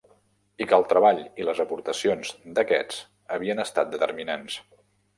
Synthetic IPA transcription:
ikəːlˠt̪ɾəβaʎiləzəpuɾt̪əsionzd̪əkɛ̰t͡s | əβ̞iənəst̪at̪̚d̪ət̪ə̰ɾminans

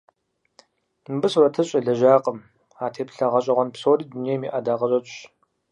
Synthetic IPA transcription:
nbɨsrɐtʰɨɕʼɐɮɐʒaːqʼəm | aːtʰeːpɬɐʁɐɕʼɐʁʷɐnpsoːriːdunijmḭːʔɐdaːqɐɕʼɐt͡ʃʷʼɕ

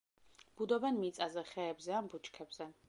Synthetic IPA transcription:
b̥ud̪ɔbɛnmit̪sʼazɛχɛːbzɛambut͡ʃʰʼkʰɛbz̥ɛ

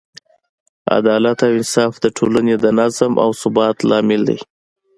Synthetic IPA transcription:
a̰d̪ɑlat̪awɪnsɑfd̪əʈʰolaned̪ənazəmʔa̰wsʊbɑt̪lɑmɪld̪a̰j

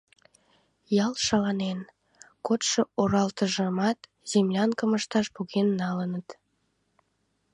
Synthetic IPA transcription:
jɑlʃɑlɑnen | kot̪ʃooɾɑlt̪əʒəmɑt̪ | z̥emlʲɑnkəməʃt̪ɑʃpuɣenːɑlənət̪

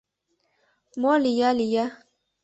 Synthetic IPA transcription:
mɔlijalija

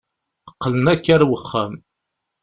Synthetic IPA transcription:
əqːələnækːæɾwəχːæm

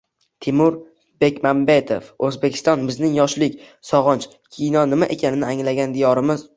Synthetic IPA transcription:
t̪ʰɪmʊɾ | be̞kʲmambet̪ʰo̰fɵzbekʲʰɪ̥st̪ɒnbɪznɪŋjɒʃlɪkʲ | sɒʁɒnt͡ʃ | kʲʰijnɒnɪmaʔe̞kʲanɪnɪaŋlaɡʲand̪ijɒɾɪmɪz

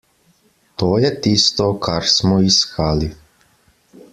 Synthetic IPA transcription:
t̪oːjet̪ist̪okʰaɾsmɔiskali

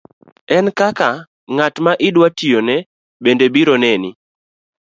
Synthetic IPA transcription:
ɛnkaka | ŋatmaʔɪdwatijonɛ | bendebiɾonɛnɪ

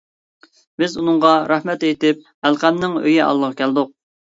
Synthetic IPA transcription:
bɪzunɨŋʁɑɾɑhmɛt̪et̪ɪp̚ | ælqæmnɪŋø̰jɪʔɑ̰lˠːəʁɑkʲʰæld̪ʊq̚

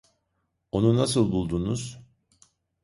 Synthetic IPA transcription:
o̞nunasɯlˠbulˠd̪unuz̥

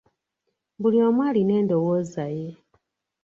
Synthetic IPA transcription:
buljomwaːline̞ːndowozaje

